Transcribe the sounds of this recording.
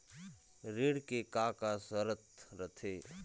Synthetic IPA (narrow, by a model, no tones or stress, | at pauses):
ɾɪɽkekaːkasəɾət̪ɾət̪ʰeː